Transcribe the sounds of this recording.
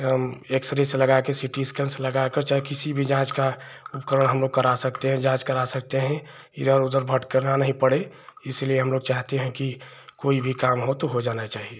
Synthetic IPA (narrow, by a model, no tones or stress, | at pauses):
eksɾeseləɡakesiʈiskə̃nsləɡakəɾt͡ʃaekɪsibʱid͡ʒãːt͡ʃkaupkəɾəɽ̃ɦəmloːɡ̚kəɾasəkt̪eɦɛ̃d͡ʒãːt͡ʃkəɾasək̚t̪eɦɛ̃ | ɪ̰d̪əɾʊd̪əɾbʱəʈkəɾnanəɦĩpəɽe | ɪslieɦəmloːɡ̚t͡ʃaːɦt̪eɦɛ̃ki | koːibʱikaːmɦot̪oɦod͡ʒaːnat͡ʃaːɦie